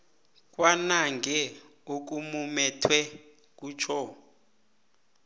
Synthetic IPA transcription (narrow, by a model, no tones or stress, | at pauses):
k̬ʼwanaŋɡʱɛ | ok̬umumɛtʰwɛ | k̬ʼuːt͡ʃʰɔ